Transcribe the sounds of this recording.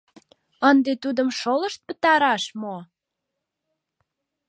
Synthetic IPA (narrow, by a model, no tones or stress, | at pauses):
ənd̪et̪ud̪əmʃoləʃt̪̚pə̥t̪ɑɾɑʃmo